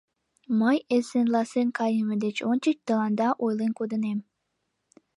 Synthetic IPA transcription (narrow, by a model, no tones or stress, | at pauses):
məjesenlˠɑsenkɑjəməd̪et͡ɕont͡ɕət͡ɕt̪ə̆lˠɑnd̪ɑʔojlenkod̪ə̆nem